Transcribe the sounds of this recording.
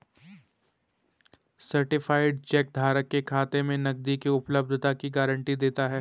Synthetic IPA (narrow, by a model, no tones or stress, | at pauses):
sɐɾʈɪfaːɪɖt͡ʃɛːk̚d̪ʱaːɾəkːekʰaːt̪emẽnɐɡ̚d̪ikiʊpləb̚d̪ʱt̪akiɡaːɾə̃ɳʈid̪eːt̪aɦɛː